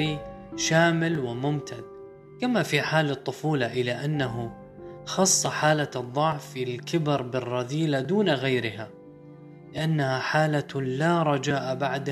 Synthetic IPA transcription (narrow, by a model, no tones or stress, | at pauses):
iʃaːmɪlwɪmʊmt̪ʰad̪ | kamafiħaːlɨt̪ˤːʊfuːlaʔɪlaʔanːaɦʊ | xɑsˤːɑħaːlaɨðˤːɑʕfɪlkɪbɪɾˤbɪrˤːɑðiːlad̪uːnaɣajɾɪha | lɪʔanːahaħaːlalaːɾˤɑd͡ʒaːʔabaʕd̪